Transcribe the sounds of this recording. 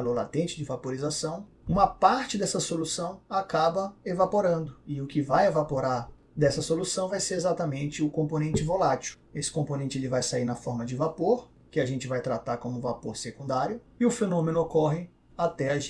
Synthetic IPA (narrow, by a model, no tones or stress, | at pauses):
loɾlat̪ẽnt͡ʃɪd͡ʒɪvapoɾizasɐ̃w̃ | ũmɐpaɾt͡ʃɪd̪ɛsɐsolusɐ̃w̃akabɐevapoɾɐ̃nd̪ʊɪʊkɪvajevapoɾaɾ | d̪ɛsɐsolusɐ̃w̃vajseɾezat̪ɐmẽnt͡ʃɪʊkõmponẽnt͡ʃɪvolat͡ʃu̥ | esɪ̥kõponẽnt͡ʃɪelɪvajsaiɾnɐfɔɾmɐd͡ʒɪvapoɾ | kɪaʒẽnt͡ʃɪvajt̪ɾat̪aɾkõmʊvapoɾsekũd̪aɾjʊ | ɪʊfenõmẽnʊokɔɦɪ | at̪ɛaʒ